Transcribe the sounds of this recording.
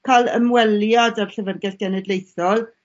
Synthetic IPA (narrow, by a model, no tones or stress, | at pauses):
kʰalˠə̰mwɛljadarɬəvərɡɛɬɡ̥ɛnɛdlejθɔlˠ